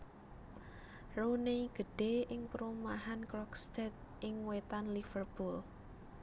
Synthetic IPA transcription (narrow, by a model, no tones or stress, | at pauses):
runeiɡ̥ə̤ɖ̥eʔɪŋpəɾumaɦankɾɔkst̪et̪̚ | ʔɪŋwet̪anlifərpul